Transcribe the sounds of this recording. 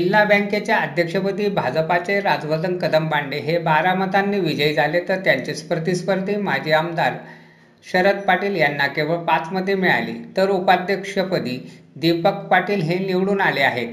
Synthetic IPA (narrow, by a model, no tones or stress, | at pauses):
d͡ʑilːabə̃ŋket͡ɕjaəd̪ʱjəkʂəpəd̪iːbʱad͡zpat͡seɾad͡zʋəd̪ənkəd̪əmbaɳɖeɦebaɾamət̪anːiːʋid͡ʑəid͡zʱalet̪əɾt̪jaɲt͡ɕespəɾt̪ispəɾd̪ʱiːmad͡ʑʱiamd̪aɾ | ɕəɾət̪paʈiːljanːakeʋəɭpat͡sməd̪ʱːjemiɭa̰lḭːt̪əɾupad̪ʱjəkʂəpəd̪ʱiːd̪ipəkpaʈiːlɦeniʋɽuːnaleaɦet̪